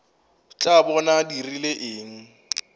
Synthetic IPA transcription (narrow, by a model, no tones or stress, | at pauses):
t͡ɬʼabɔnadirileʔɪːŋ̩